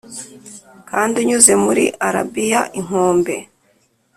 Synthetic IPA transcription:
kaːndiɲuze̞muɾḭʔaɾa̰bijaʔiŋ̥hoːmbe̞

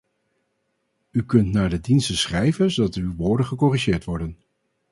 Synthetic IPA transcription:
ykɵntnaːɹdədinstəsχɛjvənzodɑtywʋoːɹdəχəkɔriʒɪːɹtʋɔɹdən

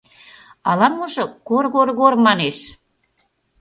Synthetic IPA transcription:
ɑlɑmuʒɤ̆korɣorɣormɑneʃ

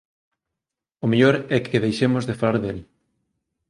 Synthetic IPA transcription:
ʊmeʎoɾɛkʰeðejʃemʊzðefalaɾðel

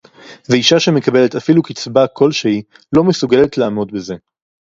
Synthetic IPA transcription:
veiʃaʃeme̞kabe̞letafilukit͡sbakʰo̞lʃei | lo̞mesuɡe̞le̞tlaːmo̞dbeze̞

